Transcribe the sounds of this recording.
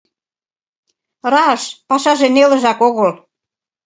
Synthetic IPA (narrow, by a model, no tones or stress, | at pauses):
rɑəʃpɑʃɑʒenelə̆ʒɑkoɣəl